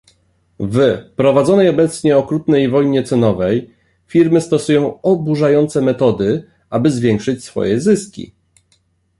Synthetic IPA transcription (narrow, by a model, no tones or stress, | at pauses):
vpɾɔvad̪zɔnɛjɔbɛt̪sɲɛɔkɾut̪nɛjvɔjɲɛt̪sɛnɔvɛj | fʲiɾmɘst̪ɔsujɔ̃w̃ɔbuʐajɔnt̪sɛmɛt̪ɔd̪ɘ | ʔabɘzvʲjɛŋkʂɘt͡ɕsfɔ̰jɛzɘskʲḭ